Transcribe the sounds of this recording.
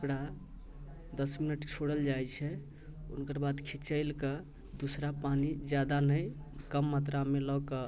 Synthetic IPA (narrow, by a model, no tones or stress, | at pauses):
əkɽa | d̪əsminəʈt͡ʃʰoɽəld͡ʒajt͡ʃʰɛ | ṵnkəɾbad̪kʰit͡ʃəɪlkə | d̪usɾapanid͡ʒjad̪anəjkəmːat̪ɾamelɔkə